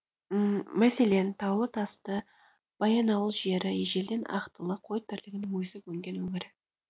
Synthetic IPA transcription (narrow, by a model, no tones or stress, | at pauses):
mæse̞le̞nt̪ʰɑwlˠət̪ʰɑst̪ə | b̥ɑjɑnɑwəlˠʒe̞ɾɪeʒe̞ld̪e̞nʔɑ̰qt̪əlˠəqʰo̞jt̪ʰɪɾlɪɡʲɪnɪŋwɵjsɪkwɵŋɡʲe̞nwɵŋɪɾɪ